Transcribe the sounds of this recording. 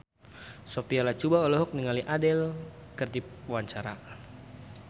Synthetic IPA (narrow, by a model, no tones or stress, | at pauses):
sopialat͡ʃubaolɛɦɔk̚niŋaliʔadɛlkərdipwaɲt͡ʃaɾa